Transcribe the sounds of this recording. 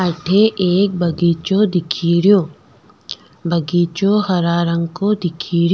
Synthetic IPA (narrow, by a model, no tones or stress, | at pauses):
ɐʈʰeʔeːk̚bɐɡiːt͡ʃod̪ɪkʰiːɾijoː | bɐɡiːt͡ʃohɐɾaːɾɐ̃ŋɡkod̪ɪkʰiːɾjo